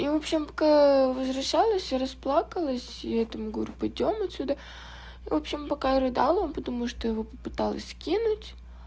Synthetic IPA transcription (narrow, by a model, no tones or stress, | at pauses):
ivo̞pɕːɪmpɐkavəzvɾɐɕːalˠəsʲɾɐsplˠakəlˠəsʲiɛt̪əmɨɡuɾʲʊpɐdʲo̞mɐt̪ʲsʲud̪ə | ivo̞pɕɪmpɐkaɾɨd̪ɑlˠompət̪ɐmuʂt̪ojɪvo̞pəpɨt̪alˠə̰sʲskʲinʊtʲ